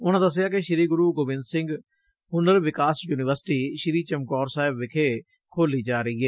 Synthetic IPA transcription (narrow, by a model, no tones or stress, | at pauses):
ʊnãːd̪əs̬ɪjaːkeʃɪɾiːɡʊɾuːɡoːbɪ̃nd̪sɪ̃ŋɡ | ɦʊnəɾʋɪkaːsjuːnɪʋəɾsɪ̥ʈiːʃɪɾiːt͡ʃəmkɔːɾsaːɦɪbʋɪkʰeː | kʰoːliːd͡ʒaːɾəiːɦɛː